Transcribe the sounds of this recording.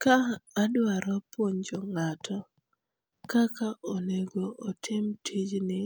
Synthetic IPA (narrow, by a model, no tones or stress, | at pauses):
kaːdwaɾɔpwoɲd͡ʒɔŋatʰɔ | kakaʔoneɡoʔːtʰɪmtʰid͡ʒnɪ